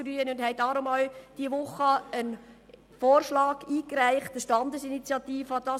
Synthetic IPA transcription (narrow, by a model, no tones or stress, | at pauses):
ɾyənʊndhɛɪdɑːɾʊmɑʊd̥iəʋʊχəən | foːrʃlɑːɡiːkɾæɪχtəʃtɑndəsinit͡sjɑt̪iːfəd̥ɑː